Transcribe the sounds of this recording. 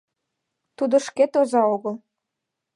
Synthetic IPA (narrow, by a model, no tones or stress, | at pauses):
t̪ud̪ə̆ʃket̪ozɑoɣəl